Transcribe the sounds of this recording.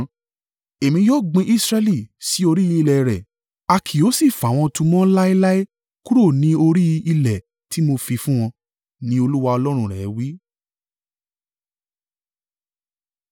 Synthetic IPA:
e˨mĩ˧˦jɔ˦ɡ͡bĩ˧ʔi˦sɾɛ˧li˦˨si˨˦o˧ɾi˦i˧i˧lɛ˨ɾɛ˨ | a˧kʰi˨o˨˦si˦˨fa˨w̃ɔ̃˧tũ˧mɔ̃˦la˦i˦la˦i˦ | ku˦ɾo˦˨nĩ˨˦o˧ɾi˦˧i˧lɛ˨ | ti˦mo˧fi˧fũ˦w̃ɔ̃˧ | nĩ˦o˧lu˦wa˧ɔ˧lɔ˦ɾ̃ũ˧ɾɛ˨˦wi˦

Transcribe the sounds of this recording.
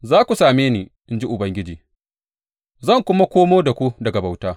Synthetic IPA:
zaː˦kʷu˨saː˨meː˦niː˨ʔɪ˦nd͡ʒi˦ʔʊ˨bɐ˦ŋɡʲɪ˦d͡ʒiː˨ | zɐ˦˨ŋkʷʊ˦ma˦kʷoː˦moː˦da˨kʷu˦dɐ˨ɡa˨ba˨wtaː˦

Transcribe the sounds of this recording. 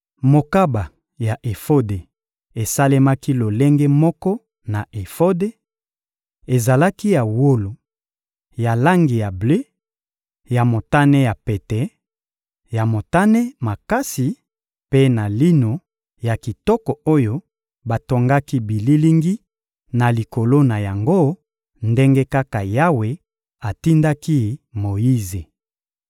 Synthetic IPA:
mo˨ka˦ba˨ | ja˨ʔe˨fo˦de˨ | e˨sa˦le˦ma˦ki˦lo˨le˦ŋɡe˦mɔ˦kɔ˦ | na˨e˨fo˦de˦ | e˨za˨la˦ki˦ja˨wo˦lo˨ | ja˨la˦ŋɡi˨ja˨ble˦ | ja˨mo˨ta˦ne˦ja˨pe˨tɛ˨ | ja˨mo˨ta˦ne˦ma˨ka˦si˨ | pe˦na˨li˦no˨ | ja˨ki˨tɔ˦kɔ˨o˦jo˦ | ba˨to˨ŋɡa˦ki˦bi˨li˦li˦ŋɡi˦ | na˨li˨ko˨lo˦na˨ja˨ŋɡo˦ | nde˦ŋɡe˦ka˦ka˨ja˦we˨ | a˨ti˦nda˦ki˦mo˨ji˦ze˨

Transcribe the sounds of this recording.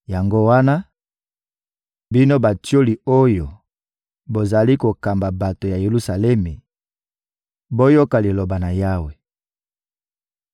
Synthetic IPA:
ja˨ŋɡo˦wa˦na˦ | bi˦no˦ba˨tjo˦li˨o˦jo˨ | bo˨za˨li˦ko˨ka˨mba˨ba˨to˨ja˨je˨lu˦sa˨lɛ˦mi˨ | bo˦jo˦ka˨li˨lo˨ba˨na˨ja˦we˨

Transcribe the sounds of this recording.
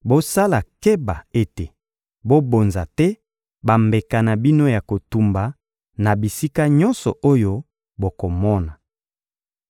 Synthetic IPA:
bo˦sa˦la˨ke˦ba˨e˦te˨ | bo˦bo˨nza˨tɛ˦ | ba˨mbe˨ka˨na˨bi˦no˦ja˨ko˨tu˨mba˨ | na˨bi˨si˦ka˦ɲɔ˦nsɔ̰˨ʔo˦jo˦ | bo˨ko˨mɔ˦na˨

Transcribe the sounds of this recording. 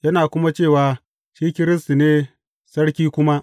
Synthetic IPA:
jɐ˦naː˨kʷʊ˦ma˦t͡ʃeː˦˨waː˨ | ʃiː˦kʲɪ˦ɾɪ˦s̬ti˨neː˦ | sɐ˦ɽkʲiː˦kʷʊ˦ma˦ʔ

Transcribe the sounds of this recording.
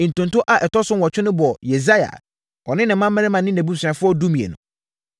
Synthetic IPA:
n̩˨tʊ̃˨n˨tʊ̃˦ʔa˨ʔɛ˨tɔ˦sʊ̃˦wɔ˨t͡ɕᶣɪ˦nʊ̃˦bɔ˨je˨za˦ja̰˨ | ɔ˨nɪ̃˦nɪ̃˨m˦mã˦m˦mɛ̃˦ɪ˦mã˨nɪ̃˦næ̃˨bu˦sɥã˨fʊ˦ɔ˦du˦mĩ˨ḛ˨nʊ̰̃˨

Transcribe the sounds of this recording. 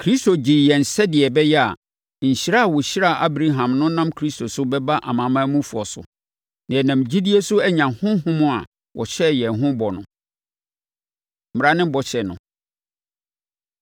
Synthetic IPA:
kʰɾi˦sto˨d͡ʑi˨jɛ˨n̩˨sɛ˦dɪ˨ɛ˨bɛ˦jɛ˦a̰˨ | ɲ̩˨ɕi˨ɾa˦a˨wɔ˨ɕi˦ɾa˦˨ʔa˦bɾa˦ɦã˨mnʊ̃˦nã˦mkʰɾi˦sto˨sʊ˦bɛ˦ba˦ʔa̰˨mãː˨mã˦mũ˦fu˨ɔ˨sʊ̰˨ | nã˨ɛ˨nã˨m˨d͡ʑi˦di˦e˦sʊ˦ɛ˦ɲã˨hʊ̃˦hʊ̃˦mʊ̃˦a̰˨ | wʔɔ˨ɕɛ˦˨jɛ˨ɦʊ̃˦bɔ˨nʊ̃˨ | m̩˨ɾa˦nɪ̃˦mbɔ˨ɕɛ˨nʊ̰̃˨

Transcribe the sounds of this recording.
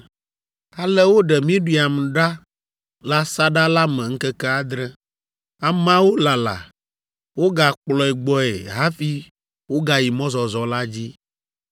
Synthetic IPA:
a˨lɛ˦wo˦ɖɛ˨mĩ˦ɖi˦˨a˨m˨ɖa˦ | la˦sa˦ɖa˦la˦mɛ̃˨ŋ̩˦kɛ˦kɛ˦a˦d̪ɾɛ˦ | a˨mã˦wo˦la˨la̰˨ | wo˦ɡa˨k͡plɔ˨ɛ˨ɡ͡bɔ˦ḛ˨ɦa˦fi˦ | wo˦ɡa˨ji˨mɔ̃˦zɔ˨zɔ˨la˦d͡ʑi˦

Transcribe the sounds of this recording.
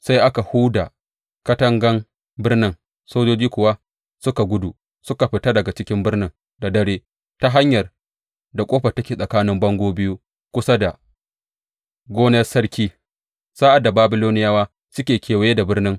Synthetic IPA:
sa˦jʔa˦ka˨huː˦da˨ | kɐ˦tɐ˦ŋɡɐ˦ŋ | bɪ˦rnɪ˦ŋ | soː˦d͡ʒoː˦d͡ʒiː˦kʷʊ˨wa˦ | sʊ˦ka˨ɡʷʊ˦du˨ | sʊ˦ka˨ɸɪ˨ta˦dɐ˨ɡa˨t͡ʃɪ˦kʲɪ˦mbɪ˦rnɪ˦ŋ | da˨dɐ˦ɽeː˦ | ta˦ɦa˦ɲjɐ˨r | da˨kʷʼoː˦ɸa˨tɐ˦kʲeː˨sʼɐ˨kaː˦nɪ˦mbɐ˦ŋɡʷoː˦bɪ˦ju˦ | kʷʊ˦sa˦da˨ | ɡʷoː˦nɐ˦rsɐ˦ɽkʲiː˦ | sa˦ʔa˨dːa˨baː˦bɪ˦loː˦nɪ˦jaː˦waː˦ | sʊ˦kʲeː˨kʲeː˨wa˨je˦da˨bɪ˦rnɪ˦ŋ

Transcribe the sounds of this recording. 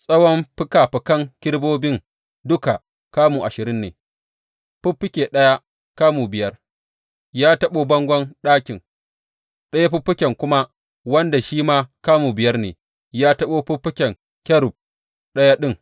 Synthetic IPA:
sʼɐ˦wɔ˦mɸɪ˦kaː˨ɸɪ˨kɐ˦ŋkʲɪ˦ɽboː˦bɪ˦ŋ | dʊ˦ka˨ | kaː˦muː˨ʔa˨ʃɪ˨ɾɪ˦nːḛː˨ | ɸʊ˦pːɪ˦kʲe˨ɗɐ˦ja˦ | kaː˦muː˨bɪ˨jɐ˦r | jaː˦tɐ˦ɓoː˦bɐ˦ŋɡʷɔ˦nɗaː˦kʲɪ˨ŋ | ɗɐ˦ja˦ɸʊ˦pːɪ˦kʲɛ˨ŋkʷʊ˦ma˦ | wɐ˦nda˨ʃiː˦maː˦kaː˦muː˨bɪ˨jɐ˦rnḛː˨ | jaː˦tɐ˦ɓoː˦ɸʊ˦ɸːɪ˦kʲɛ˨ŋ | kʲɐ˦ɾʊ˨p̚ | ɗɐ˦ja˦ɗɪ˦ŋ

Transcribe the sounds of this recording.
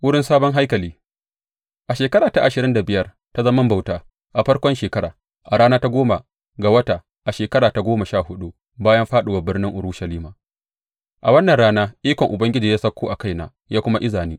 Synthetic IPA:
wʊ˦ɽɪ˦nsaː˦bɔ˦ŋɦa˦jkɐ˨liː˦ | ʔa˨ʃeː˨kɐ˦ɾaː˨ta˨ʔa˨ʃɪ˨ɾɪ˦nda˨bɪ˨jɐ˦r | ta˦zɐ˦mɐ˦mba˨wtaː˨ | ʔa˨ɸɐ˦ɽkʷɔ˦nʃeː˨kɐ˦ɾa̰ː˨ | ʔa˨ɾaː˦naː˦ta˦ɡʷoː˦ma˨ | ɡa˨wɐ˦ta˨ | ʔa˨ʃeː˨kɐ˦ɾaː˨ta˨ɡʷoː˦mɐ˨ʃaː˦˨hʊ˦ɗu˦ | baː˦jɐ˦mɸaː˦ɗʊ˨wa˨bɪ˦rnɪ˦ŋʔʊ˨ɾuː˦ʃɐ˨liː˦maː˨ | ʔa˨wɐ˦nːɐ˨nɽaː˦naː˦ʔiː˦kʷɔ˨ŋʔʊ˨bɐ˦ŋɡʲɪ˦d͡ʒiː˨jaː˦sɐ˦kʷːoː˦ʔa˨ka˦jna̰ː˨ | jaː˦kʷʊ˦ma˦ʔɪ˦zaː˨niː˦

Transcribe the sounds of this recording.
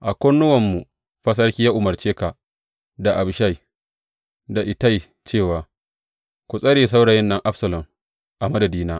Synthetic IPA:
ʔa˨kʷɔ˦nːʊ˦wɐ˨mːu˨ | ɸɐ˦s̬ɐ˦rkʲi˦ja˦ʔʊ˨mɐ˨rt͡ʃeː˦ka˨ | da˨ʔa˨bʃa˦˨j | da˨ʔɪ˨ta˦j | t͡ʃeː˦˨waː˨ | kʷu˨sʼɐ˦ɽeː˨s̬a˦wɽaː˨jɛ˦nːɐ˦ŋʔa˦ɸsɐ˨lɐ˨m | ʔa˨mɐ˦dɐ˨diː˦naː˦

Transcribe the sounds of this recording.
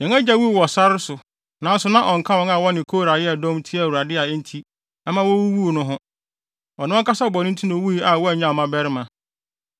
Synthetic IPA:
ɲɛ̃˨ŋa˦d͡ʑa˦wu˦˨wɔ˨sa˦ɾɪ˦sʊ˨ | nã˨˦n̩˦sʊ˦nã˦ʔɔ˨ŋ̩˨kʰã˦wɔ̃˨˦na˨wɔ˦nɪ̃˨kʰoː˦ɾa˨jɪ˦ɛ˨dɔ̃˦mtʰi˦a˨wu˨ɾa˨dɪ˦a˨ɛ˦n̩˦tʰi˦ | a˦mã˦wɔ˦wu˦wu˦˨nʊ̃˦ɦʊ̃˦ | ɔ˨nʊ̃˦ɔ̃˦ka˦sa˦bɔ˨nɪ̃˦n̩˦tʰĩ˦nõ˨˦wu˦i˦a˨wɔ˦æ˨ɲã˦˨mã˦bɛ˦ɾɪ˦mã˨

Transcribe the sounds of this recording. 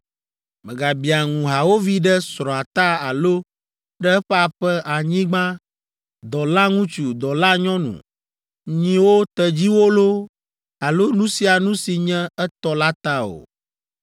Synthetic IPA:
mɛ̃˨ɡa˨bi˨a˨ŋũ˨ɦa˨wo˦vi˦ɖɛ˦sɾɔ̃˨a˨t̪a˦a˨lo˦ | ɖɛ˦ɛ˦ɸɛ˦a˨ɸɛ˦ʔa˨ɲĩ˦ɡ͡bã˦ | d̪ɔ˨la˦ŋũ˦t͡ʃu˨d̪ɔ˨la˦ɲɔ̃˦nṵ̃˨ | ɲĩ˨wo˦t̪ɛ˨d͡ʑi˦wo˦lo˦ | a˨lo˦nũ˦si˨a˨nũ˦si˨ɲɛ̃˦ɛ˦t̪ɔ˦la˦t̪a˦o̰˨

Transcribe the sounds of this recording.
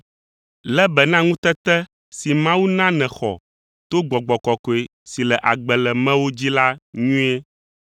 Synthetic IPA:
lɛ˦bɛ˨nã˦ŋũ˦t̪ɛ˦t̪ɛ˦ | si˨mã˦wu˦nã˦nɛ̃˨xɔ̰˨ | t̪o˦ɡ͡bɔ˨ɡ͡bɔ˨kɔ˨kɔ˨e˨ | si˨lɛ˨ʔa˨ɡ͡bɛ˨lɛ˨mɛ̃˦wo˦d͡ʑi˦la˦ɲũ˦e˦

